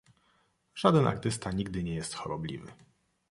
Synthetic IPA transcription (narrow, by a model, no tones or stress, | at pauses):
ʐ̥ad̪ɛnʔa̰ɾt̪ɘst̪aɲiɡ̚d̪ɘɲɛjɛst̪xɔɾɔblʲḭvɘ̰